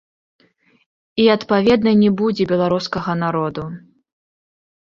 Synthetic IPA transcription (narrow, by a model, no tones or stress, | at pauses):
iɐt̪pavʲɛd̪̚nɐjnʲɛbud͡zʲɛbʲɛlˠaɾuskɐɣɐnaɾɔd̪u